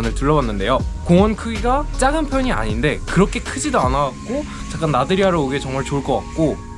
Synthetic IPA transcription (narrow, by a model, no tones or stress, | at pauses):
nɯɭtɯɭːʌwanːɯnde̞jokoŋʌnkʰɯɡiɡat͡ɕ͈aɡɯnpʰjʌɲia̰ɲinde̞kɯɾʌkʰe̞kʰɯd͡ʑidoanawak̚k͈o | t͡ɕak͈anːadɯɾiɦaɾooɡet͡ɕʌŋmaɭt͡ɕoɭk͈ʌk͈ak̚k͈o